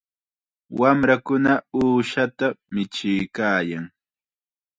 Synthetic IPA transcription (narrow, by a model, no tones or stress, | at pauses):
wamɾakʊnauːʃat̪amɪt͡ʃɪjkaːjaŋ